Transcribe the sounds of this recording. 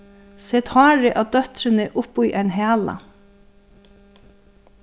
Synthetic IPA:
sɛt̪hɑːɹɪʔad̪œt̪ɾɪnɪʔʊpujʔɛɪnɦæːla̰

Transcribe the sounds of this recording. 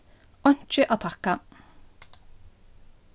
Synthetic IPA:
ɔɲ̥t͡ʃəʔat̪ʰaka

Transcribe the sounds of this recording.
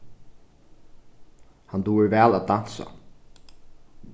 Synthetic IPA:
hand̪uːɪɹvæːlæːd̪an̥sa̰

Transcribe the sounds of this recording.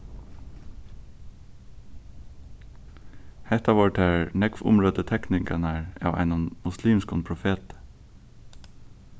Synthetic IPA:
hɛt̪ɑʋɑːɹʈʰæːɹnɛkfʊ̰mɹoːd̪ət̪ʰɛknɪŋkɑnæɹɑ̰ːʋʔæ̰ɪnʊnmʊsliːmskɔnpʰɹʊfeːt̪

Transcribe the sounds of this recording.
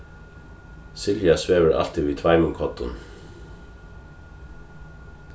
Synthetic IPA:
sɪljasʋeːʋəɾʔa̰l̥t̪iviːt̪ʰvaɪmʊŋkʰɔt̪ʊ̰n

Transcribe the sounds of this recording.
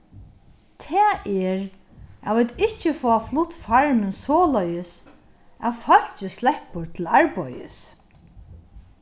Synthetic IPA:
t̪ʰɛːʔɛɹ | aʋiːt̪ɪht͡ʃɪfɔːaflʊt̪faɹmɪnsɔːlœjɪs | æ̰ʋfœl̥t͡ʃɪslɛhpʊɹt̪ʰɪlaɹpɔ̰jɪ̰s

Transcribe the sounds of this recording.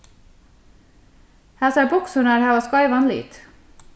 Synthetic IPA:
hæːsɑːbʊksʉnəɾhæːʋɑːskɑɪʋɑnlɪy̰ːt̪

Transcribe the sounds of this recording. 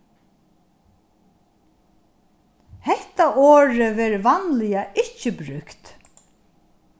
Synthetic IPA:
hɛht̪aʔoːɹəvɛːɾvanlɪjaʔɪt͡ʃːəbɾʏkt̪

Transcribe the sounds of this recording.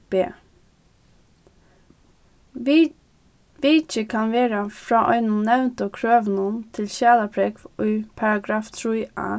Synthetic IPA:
b̥eː | ʋiːt͡ʃəkʰɑnʋeːɾɑfɹɑːʔɔʏnʊnɛʋnt̪oːkʰɹøːʋnunt̪ʰɪlʃæːləpʰɹɛkʔyːpʰɑɹɑɡɾɑːft̪ʰɹuːʔæ̰ː

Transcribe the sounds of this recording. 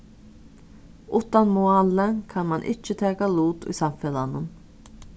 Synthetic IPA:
ʔuːt̪ɑnmuɑlənkʰɑnmɑnʔɪ̰t͡ʃːət̪ʰɛːkaluːt̪ḭːsɑmfɛlanən

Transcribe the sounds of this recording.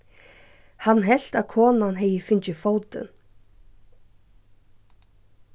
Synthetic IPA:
hanːɦɛl̥t̪aðkʰɔːnanɦɛːjɪfɪɲt͡ɕɪfoːwt̪ɪ̰n

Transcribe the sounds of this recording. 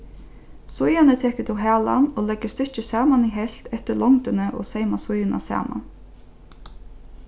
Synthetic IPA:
sʊjanət̪ʰɛːkət̪ʰʊɦæːla̰noːlɛɡəst̪ɪt͡ʃəsæːmaniɦɛlt̪ɛht̪əɭɔŋt̪ənəʔo̰ːseɪmasʊjɪnʔa̰sæ̰ːma̰n

